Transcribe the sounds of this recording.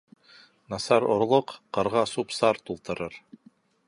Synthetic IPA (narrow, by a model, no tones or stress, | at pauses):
nɑsɑɾŏɾlˠoqqɤ̆ɾʁɑsupsɑɾt̪ulˠt̪ɤ̆ɾɤɾ